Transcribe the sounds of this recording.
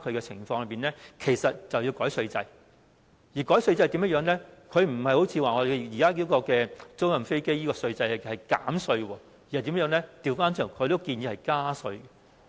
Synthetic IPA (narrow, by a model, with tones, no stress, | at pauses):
kʰɵ˨˧ɥkɛː˧t͡sʰɪ̰˨˩ŋfɔː˧ŋlpiː˨˩nɛː˥kʰe˨˩jsɐ˨t̚t͡sɐ˨wji˧wkɔː˨˥jsɵ˧ɥt͡sɐ˧j | jiː˨˩kɔː˨˥jsɥt͡sɐ˧jt̪iː˨˥mjɐ˥jœː˨˧ŋnlɛː˥kʰɵ˨˧ɥm̩˨˩hɐ˨jho˨˥wt͡sʰiː˧waː˨ŋɔː˨˧d̪e˨˧jiː˨kaː˥iː˦˥kɔː˧kɛː˧t͡so˥wjɐ˨˩mfe˥jke˥jiː˥kɔː˧sɵ˧ɥt͡sɐ˧jhɐ˨hɐ˨jka̰ː˨˥msɵ˧ɥwɔː˧ | ji˨hɐ˨˩t̪iː˨˥m˥jːŋnɛː˥t̪iː˧wfaː˥nt͡ʃʰœː˨˩ŋkʰt̪o˥wkiː˧niː˧hɐ˨jkaː˥sɵ˧ɥ